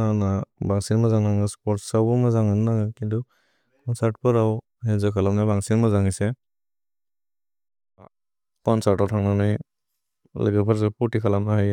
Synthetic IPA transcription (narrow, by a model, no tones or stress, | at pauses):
anabaŋsinmazaŋnaŋɯspɔɾtsawbɔmazaŋɯnaŋɯkindu | pɔnsaɾt̚pɯɾaw | hezakʰalapnajbaŋsinmazaŋise | kɔnsaɾtawtʰaŋnanɯj | lə̰ɡɯpʰaɾs̬aputikʰalamnahaj